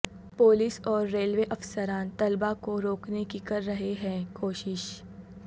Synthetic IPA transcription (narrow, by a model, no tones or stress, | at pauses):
poːlɪsɔːɾːeːlʋeʔɐfsəɾãːnt̪ɐlbakoɾoːknekikɐɾːɐɦeɦɛ̃ːkoːʃɪʃ